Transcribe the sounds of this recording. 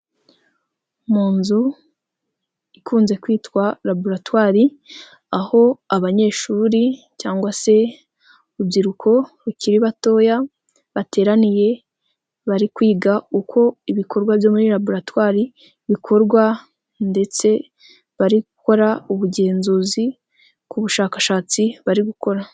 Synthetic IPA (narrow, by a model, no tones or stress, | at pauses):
muːnzu | ikʰuːnze̞kwiːtkwaɾaboɾatwaːɾi | aho̞aβaɲe̞ːʃuːɾi | caːŋɡwase̞ | ubɟiɾukʰo̞βuciɾiβato̞ːja | βate̞ːɾanije̞ | βaɾikwiːɡaukʰo̞iβikʰo̞ɾɡwabjo̞ːmuɾiɾaboɾatwaːɾi | βikʰo̞ɾɡwa | nde̞t͡se̞ | βaɾiɡuko̞ɾauβuɟe̞ːnzuːzi | kuβuʃaːkḁʃaːt͡siβaɾiɡuko̞ɾa